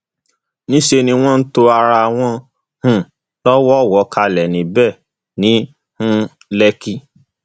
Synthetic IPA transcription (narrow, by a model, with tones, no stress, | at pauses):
nĩ˦ʃe˧nĩ˧w̃ɔ̃˦n̩˦to˧a˧ɾa˧a˧w̃ɔ̃˧ | hũ˦˨ | lɔ˦wɔ˦˨wɔ˨˧˦ka˧lɛ˨nĩ˨bɛ˦˨ | nĩ˨˦ | hũ˦ | lɛ˧ki˧